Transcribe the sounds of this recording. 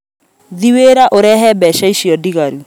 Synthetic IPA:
ðiweɾaʔoɾɛɦɛbɛʃaiʃiɔdiɣaɾu

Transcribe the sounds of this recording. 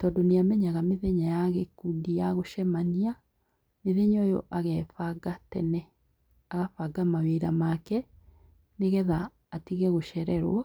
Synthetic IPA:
tɔːdoneamɛɲaɣameðeɲajaɣekundijaɣoʃɛmania | meðeɲɔjo̰ʔaɣɛfaɡatɛnɛ | aɣafaɡamaweːɾamakɛ | neɣɛðaː | tiɣɛɣoʃɛɾɛɾwɔ

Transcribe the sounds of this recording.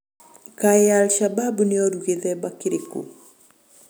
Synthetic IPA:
kaɛalʃababuneɔɾuɣeðɛbakiɾekṵ

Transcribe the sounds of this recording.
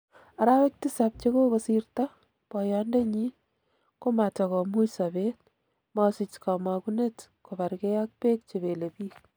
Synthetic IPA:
aɾawek̚tisap̚t͡ʃekokosirta | pɔjɔndeɲi | komatɔkɔmujsabet̚ | mɔsɪt͡ʃkamakunetkobaɾkejak̚pek̚t͡ʃebelepiːk̚

